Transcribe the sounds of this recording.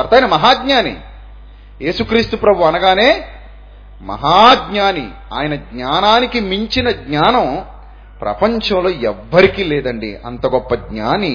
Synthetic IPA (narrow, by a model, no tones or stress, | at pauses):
ɐɾt̪aːjinɐmɐɦaːɡɲaːnḭ | je̞ːsukɾiːst̪upɾɐbʱuɐnɐɡaːneː | mɐ̰ɦaːɡɲaːnḭ | a̰ːjɐnɐɡɲaːnaːnikimiɲt͡ʃinɐɡɲaːnɐm | pɾɐ̰pɐɲt͡ʃɐ̃mlo̞ːɛʋːɐɾikiːlɛːd̪ɐɳɖḭɐ̰nt̪ɐɡɔpːɐɡɲaːni